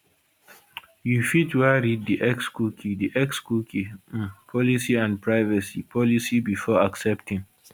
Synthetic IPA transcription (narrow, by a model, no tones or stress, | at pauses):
jufitwaɹid̚diʔɛkskukʰidiʔɛkskukipʰɔlisiãn̚pʰɹaɪvəsipʰɔlisibifɔaksɛptĩŋ